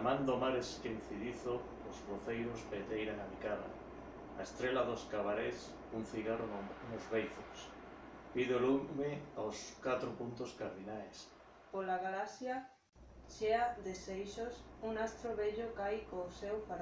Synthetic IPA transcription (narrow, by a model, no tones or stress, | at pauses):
mãnd̪omaɾesken̟θiðiθoː | zβoθejɾospet̪ejɾaŋamikaða̰ | aest̪ɾelaðoskaβaɾes | uŋθiɣaronozβejθos | piðolumeawskat̪ɾopunt̪oskaɾðinajs | polaɣalasja | ʃeaðesejʃosuŋast̪ɾoβeʎokajkosewfa